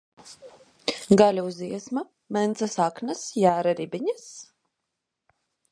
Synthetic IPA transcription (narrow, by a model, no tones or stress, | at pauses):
ɡalʲuziɛsma | mɛnt̪sasaknasjæːɾaɾibiɲas